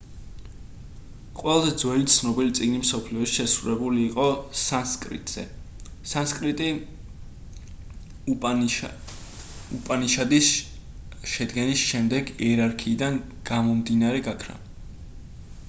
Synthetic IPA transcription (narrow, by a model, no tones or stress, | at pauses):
qʼwɛlˠazɛd̪zwɛlit̪sʰnɔbilit̪sʼiɡnimsɔpʰliɔʃi̥ʃɛsɾuɾɛbuliːqʼɔsanskʼɾḭt̪ʼz̥ɛ̰ | sanskʼɾit̪ʼi | upʼaniʃad̪is | ʃɛd̪ɡɛnisʃɛmd̪ɛɡiɛɾaɾkʰiːd̪an | ɡ̥amɔmd̪inaɾɛɡakʰɾa̰